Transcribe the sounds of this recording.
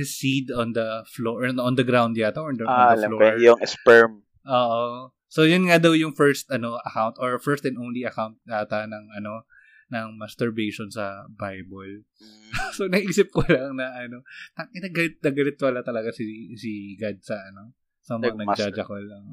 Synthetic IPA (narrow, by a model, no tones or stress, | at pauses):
sid̪ɔnd̪ɐfloʔʔɔnd̪ɐɡɾawnd̪jaːt̪oɔd̪ɐalɐloɛjʊŋɛspɛɹm | ʔoːʔo | sojʊnŋad̪ɐwjʊŋfɛɹst̪ɐno̞ɐkawnt̪ʔoɹfɛɹst̪ɛnʔownliɐkawnt̪̚at̪ɐnɐŋɐno̞ | nɐŋmast̪ɛɹbejʃɔnsɐbajbol | sonɐɡʔiːsɪp̚kolɐŋnɐʔɐno̞t̪ɐɪnɐɡɐlɪt̪̚nɐɡɐlɪt̪̚wɐlat̪ɐlɐɡasisiɡad̪̚sɐʔɐno | sɐmɐŋɐnɐɡd͡ʒad͡ʒɐkolɐŋ